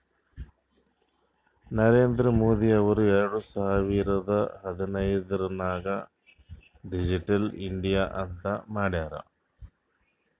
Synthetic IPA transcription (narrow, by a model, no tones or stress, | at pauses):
nɐɾeːnd̪ɾɐmoːðiɐʋɐɾeːɾɽusɐɦaʋiːɾɐðɐhɐðɐnɐjðɾɐnaːɣɐ | ɖid͡ʑiʈːɐliɳɖijɐʔɐ̰nd̪ɐmaːɽjaːɾɐ̰